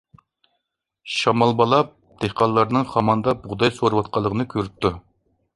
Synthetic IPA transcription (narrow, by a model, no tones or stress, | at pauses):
ʃɑmɑlˠbɑlˠɑp̚ | d̪̥ehqɑlˠːɑɾnɨŋχɑmɑnd̪ɑbuʁd̪ɑjsoɾuwɑt̪̚qʰɑlˠːəʁənɨkʲʰøɾyp̚t̪ʰːu